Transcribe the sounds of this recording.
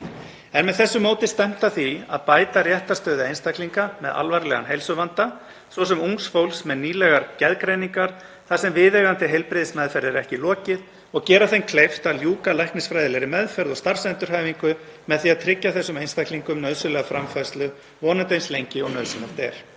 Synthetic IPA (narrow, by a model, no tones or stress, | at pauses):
ɛnmɛðθɛsːʏmoːwt̪ɪst̪ɛm̥t̪aθia̰ðpaːjt̪arjɛht̪ast̪œːðɪejnst̪akliŋkamɛ̰ðʔa̰lvaɾlɛɣa̰nɦejlsʏvant̪a | svɔsɛmuŋksfowlsmɛðniːlɛɣaɾcɛðkɾejniŋkaɾ̥ | θasɛmvɪːðɛɣant̪ɪɦejlpɾɪðɪsmɛðfɛɾðɪɾɛhcɪlɔːcɪð | ɔɣcɛːɾaθejnkʰlejft̪aljuːkalajhknɪsfɾajðɪlɛɾɪmɛðfɛɾðɔɣst̪ar̥sɛnt̪ʏɾ̥ɦajviŋkʏmɛðθiaðt̪ʰɾɪcːaθɛsːʏmejnst̪akliŋkʏmnœðsʏlɛɣafɾamfajst̪lʏ | vɔːnat̪ejnslejɲcɪɔɣnœðsʏnḁt̪ɛ̰ɾ̥